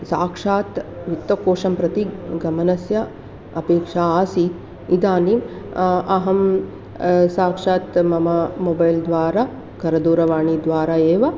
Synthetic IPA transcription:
saːkʂaːt̪ʋit̪ːɐkoːʂɐmpɾɐt̪iɡɐmɐnɐsjɐ | ɐpeːkʂaːaːsi | id̪aːnim | ɐɦɐm | saːkʂaːt̪mɐmɐmoːbɐjld̪ʋaːɾaː | kɐɾɐd̪uːɾɐʋaːɳid̪ʋaːɾaːeːʋɐ

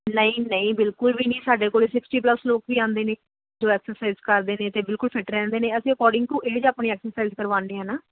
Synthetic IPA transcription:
nəĩːnəĩːbɪlkʊlʋiːnĩːsaːɖeːkoːleːsɪksʈiːpləsloːkʋiːãːnd̪eːneː | d͡ʒoːɛːksəɾsaːizkəɾd̪eːneːt̪eːbɪlkʊlpʰɪʈɾɛ̃ːnd̪eːnẽːəsĩːəkɔːɾɖɪ̃ŋɡt̪ũːʔeːd͡ʒaːpniːɛːksəɾsaːiːzkəɾʋãːnd̪eːɦãːnaː

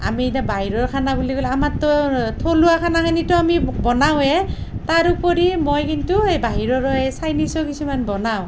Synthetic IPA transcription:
a̰mitabaɦiɹɔɹkʰanabuliɡɔlamatːɔtʰoluakʰanakʰanitɔamibɔnawɛtaɹupɔɹimojkintuejbaɦiɹɔɹɔɛsajnisɔkisumanbɔnaw̃

